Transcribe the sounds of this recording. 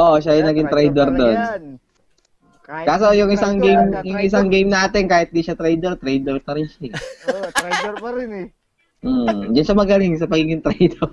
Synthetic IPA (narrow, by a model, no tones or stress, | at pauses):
ʔoʔʃajʊnɐɡɪŋt̪ɾɛjd̪ɛɾd̪on | kaːsojʊŋʔɪsaŋɡejmjʊŋʔɪs̬aŋɡejmnaːt̪ɪnkaːhɪt̪̚d̪iʃat̪ɾɛjd̪ɛɾt̪ɾɛjd̪ɛɾpɐɾɪnʃa | m̩ːd͡ʒɐnʃamɐɡɐlɪŋs̬ɐpɐɡiːɡɪŋt̪ɾɛjd̪ɛɾ